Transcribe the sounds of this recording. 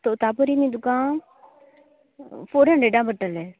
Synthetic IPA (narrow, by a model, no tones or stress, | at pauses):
t̪ot̪aːpəɾiːnĩːd̪ʊkãː | foːɾə̃ɳɖeːɖãːbəʈːəlɛː